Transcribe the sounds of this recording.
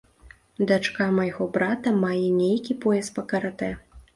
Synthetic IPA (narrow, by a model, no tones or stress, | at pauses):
d̪at͡ʂkamɐjɣɔbɾat̪ɐmajɛnʲejkʲipɔjɛspɐkɐɾat̪ɛ